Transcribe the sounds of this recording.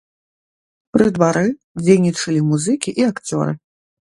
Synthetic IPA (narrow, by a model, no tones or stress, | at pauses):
pɾɨd̪vaɾɨ | d͡zʲejnʲit͡ʂɐlʲimuzɨkʲiʔiakt͡sʲɔ̰ɾɨ̰